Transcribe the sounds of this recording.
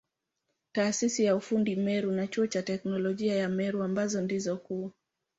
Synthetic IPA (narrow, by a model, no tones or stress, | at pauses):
taːsisijaufundimɛɾunat͡ʃuɔt͡ʃatɛknɔlɔʄiajamɛɾuambazɔndizɔkua